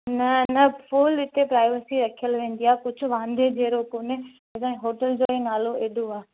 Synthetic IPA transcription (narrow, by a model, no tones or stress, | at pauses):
nɐnɐfʰuːlɪt̪ʰepɾaːɪʋəsiɾɐkʰijəlʋẽːn̆d̪ijaːkʊd͡ʑʱʊ̆ʋãːnd̪ʱed͡ʑʱeːɾokoːne | ɐsãɦoːʈəld͡ʑoːẽːnaːloʔeːɗʱoaː